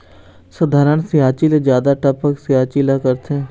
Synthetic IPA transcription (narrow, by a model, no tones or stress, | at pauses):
sɐd̪ʱaːɾəɳ̃sijaːt͡ʃiled͡ʒjaːd̪aʈɐpəksiaːt͡ʃiːlakɐɾt̪ʰe